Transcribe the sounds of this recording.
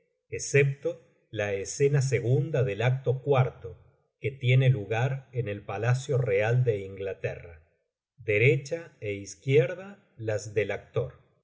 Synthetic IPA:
esep̚t̪o̞ | laesenas̬e̞ɣund̪aðe̞lak̚t̪o̞kwaɾt̪o | ke̞t̪je̞ne̞luɣaɾene̞lpalasjoreald̪e̞iŋɡlat̪ḛra | d̪e̞ɾet͡ʃaeiskjeɾða | lazðe̞lak̚t̪o̞ɾ

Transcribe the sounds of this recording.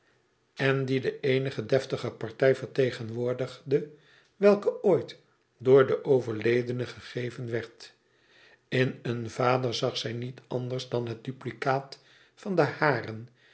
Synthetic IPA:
ɛndidəejnəχədɛftəχəpɑɹtɛjfəɹtejχənʋʊːɹdəχdə | ʋɛlˠkəojt | dʊːɹdəʔowvəɹlejdənəχəχejvənʋɛɹt | ɪnənvaːdəɹzɑχsɛjnitɑndərzdɑnɦət̚d̥yplikaːt | fɑndəhaːrən

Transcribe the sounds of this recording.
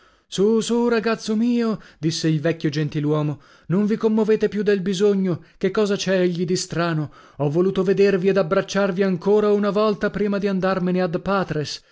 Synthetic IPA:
susuraɡat̪sːomiːod̪isːeilvɛkʲːjod͡ʒent̪ilwɔːmo | noɱvikomːoveːt̪epjud̪ːelbizoɲːokekːɔːzat͡ʃɛeʎːid̪ist̪ɾaːno | ɔvːoluːt̪oved̪ervied̪abɾat͡ʃːarviaŋkoːɾaunavɔlt̪apɾiːmad̪iand̪armenead̪paːt̪ɾes

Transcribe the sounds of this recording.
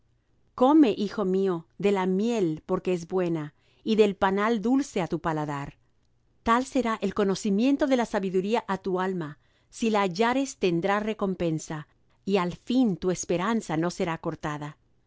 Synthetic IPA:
ko̞me̞ʔixo̞mio̞ðe̞lamje̞lpo̞ɾke̞ezbwe̞na | iðe̞lpanald̪ulse̞at̪upalaðaɾ | t̪alse̞ɾaʔe̞lko̞no̞simje̞nt̪o̞ðe̞lasaβiðuɾiaʔat̪ualma | silaːʝaɾe̞st̪e̞nd̪ɾare̞ko̞mpe̞nsa | ialfint̪ue̞spe̞ɾansano̞se̞ɾako̞ɾt̪aða

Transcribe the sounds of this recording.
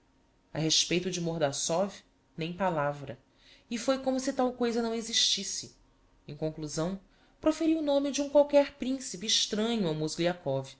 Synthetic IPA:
ɐ̰ɦeʃpejt̪ʊd͡ʒɪmoɾd̪asɔvi | nẽj̃palavɾɐ | ifojkõmʊsɪt̪awkojzɐnɐ̃w̃eziʃt͡ʃisɪ | ẽŋ̃kõŋkluzɐ̃w̃ | pɾofeɾiʊnõmɪd͡ʒɪũkwawkɛɾpɾĩsipiːʃt̪ɾɐ̃ɲʊawmosɡliakɔvi

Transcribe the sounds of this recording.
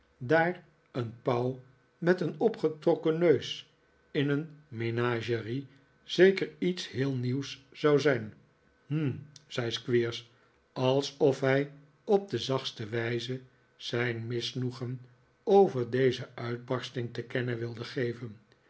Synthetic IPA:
daːr | ənpɑw | mɛtənɔpχətrɔkənøɥs | ɪnənmenaːʒəri | z̥ejkəɹitshɪːlˠniwszɑwzɛjn | m̩z̥ɛjskʋiːɹs | ɑlˠsɔfɦɛj | ɔb̚dəzɑχstəʋɛjzə | z̥ɛjnmɪsnuχən | owvəɹdejzəœɥd̚bɑɹstɪŋtəkɛnəʋɪlˠdəχejvən

